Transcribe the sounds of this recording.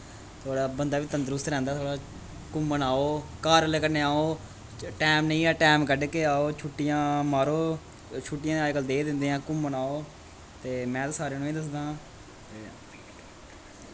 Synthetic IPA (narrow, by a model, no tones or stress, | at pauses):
t̪ʰoːɽaːbənd̪aːʋiːt̪ənd̪əɾʊst̪ɾɛ̃ːnd̪aːt̪ʰoːɽaː | kʊmːənaːoːkaːɾəlkəɾneːaːoː | ʈɛːmnəĩːaːʈɛːmkəɖkeːaːoːt͡ʃʰʊʈːɪjãːmaːɾoː | t͡ʃʰʊʈːɪjãːaːeːkəld̪eːd̪ɪnd̪eːãːkʊmːənaːoː | t̪eːmɛ̃ːt̪aːsaːɾeːnũĩːd̪əs̬d̪ãː | t̪eː